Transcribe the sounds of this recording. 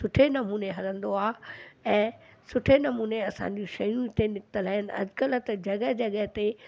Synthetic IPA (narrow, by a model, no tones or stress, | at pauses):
sʊʈʰenɐmuːneɦɐlə̃nd̪oaːɛ̃ːsʊʈʰenɐmuːneɐsã̰ːɲd͡ʑũʃɐjũt̪enɪkɪt̪əlaːɪnɪʔɐ̰d͡ʑkələt̪ɐd͡ʑɐɠəɦd͡ʑɐɡəɦt̪e